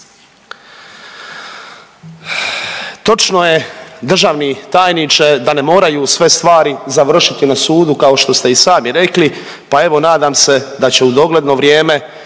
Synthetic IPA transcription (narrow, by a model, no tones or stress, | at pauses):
t̪o̞t͡ʃno̞je̞d̪r̩ʒaːʋnit̪aːjnit͡ʃe̞d̪ane̞mo̞ːɾajusʋe̞st̪ʋaːɾizaʋr̩ʃit̪inasuːd̪ukao̞ʃt̪o̞st̪e̞isaːmiɾe̞kli | pae̞ʋo̞naːd̪aːmse̞d̪at͡ɕe̞ud̪o̞ɡle̞d̪no̞ʋɾjeːme̞